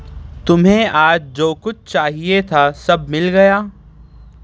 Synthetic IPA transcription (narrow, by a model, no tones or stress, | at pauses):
t̪ʊmɦẽaːd͡ʒd͡ʒoːkʊt͡ʃʰt͡ʃaːɦiet̪ʰaːsɐbmɪlɡɐjaː